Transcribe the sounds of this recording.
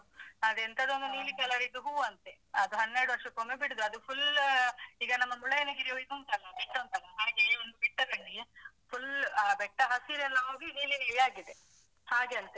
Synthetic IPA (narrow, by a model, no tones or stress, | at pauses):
ɐd̪ent̪ʰɐd̪o̞nd̪uniːlikɐlɐɾiɡ̪uɦuːɐnt̪e | ɐd̪uɦɐnːɛɾɽuʋɐɾʂɐkomːebiɽud̪uɐd̪upʰul | iːɡɐnɐmːɐmuɭɐjɐnɐɡiɾioiɡ̪unt̪ɐɐiʈːɐnt̪ɐkɐaːɡiond̪ubiʈːɐkɐɳːi | pʰulːbɛʈːɐɦɐsiɾɛlːɐɦo̞ːɡiniːliniːɭijaːɡid̪e | haːɡeɐlt̪e